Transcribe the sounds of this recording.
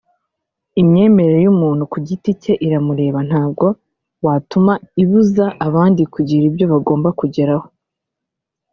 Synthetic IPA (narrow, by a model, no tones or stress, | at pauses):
imɲe̞ːme̞ɾeɾojumuːn̥hukuɟitice̞ʔiɾamuɾe̞ːβan̥haːb̚ɡo̞ | watumaiβuzaʔːβaːndikuɟiɾibjo̞βaɡo̞ːmbakuɟe̞ɾaho̞̥